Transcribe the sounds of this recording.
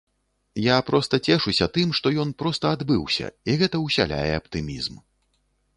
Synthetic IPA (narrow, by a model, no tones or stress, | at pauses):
japɾɔst̪ɐt͡sʲɛʂusʲɐt̪ɨmʂt̪ɔjɔn̪pɾɔst̪ɐad̪bɨwsʲɐ̰iɣɛt̪ɐuwsʲa̰lʲa̰jɛ̰ɐpt̪ɨmʲizm